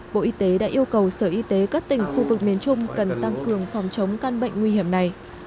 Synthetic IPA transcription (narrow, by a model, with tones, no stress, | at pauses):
ɓo̰˧˨ʔi˧t̪e˨˦ɗa̰ː˧˥ʔi˧əwkə˨˩wsəː˧˩ʔi˧t̪e˨˦kaː˦˥k̚t̪ï˨˩ŋ̟xu˧vɨ˨˩k̚mi˨˦ənt͡ɕʊ˧ŋ͡mkə˨˩nt̪a˧ŋkɨ˨˩əŋfɔ˨˩wŋ͡mt͡ɕə˨˦wŋ͡mkaː˧nɓə̰˧˨jŋ̟ŋwi˧hi˧˩əmna˨˩j